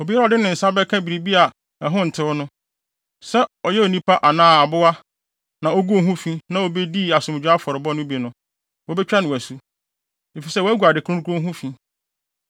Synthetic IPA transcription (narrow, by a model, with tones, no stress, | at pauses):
o˨bi˦ɔ˨dɪ˦nɪ̃˨n̩˨sa˦bɛ˦kʰã˦bi˨ɾi˨bi˦a˨ | ɛ˨ɦʊ̃˦n̩˨tʰɪ˨wɔ˦nʊ̃˦ | sɛ˦ɔ˨jɛ˦o˨nĩ˦pʰa˦ʔa˨nãː˦˨a˨bʊ˦a˦ | nã˨o˦ɡu˦o˦ɦũ˦fĩ˦nã˦o˨be˦di˦˨a˨sʊ̃˨d͡ʑᶣa˦fɔ˨ɾɪ˨bɔ˦nʊ̃˦bi˨nʊ̃˦ | wɔ˦bɛ˦t͡ɕᶣa˦nʊ̃˨æ˨su˦ | e˨fi˨sɛ˦wɔ˨˦æ˦ɡu˨a˨dɪ˨kʰʊ̃˦kʰʊ˦ʊ̃˦ɦũ˦fĩ˦